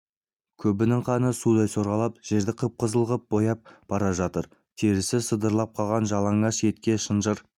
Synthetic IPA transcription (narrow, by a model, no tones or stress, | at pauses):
kʲʰɵbɪnɪŋqʰɑnəsud̪ɑjso̞ɾʁɑlˠɑpʒ̥e̞ɾd̪ɪqʰəp̚qʰəzəlˠʁəp̚b̥o̞jɑp̚b̥ɑɾɑʒɑt̪əɾ | t̪ʰeɾɪsɪsəd̪əɾlˠɑp̚qʰɑlˠʁɑnʒɑlˠɑɴɑʃje̞t̪kʲe̞ʃənʒəɾ